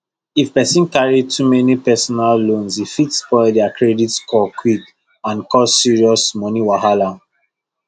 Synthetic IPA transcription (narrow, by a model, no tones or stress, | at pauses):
ifpɛsĩnkaɹitʰumɛnipɛsɔnalːõnsifitspɔɪldɛakʰɹɛditskʰɔkʰwik | ãnkɔsːiɹiɔsmɔniwaɦalã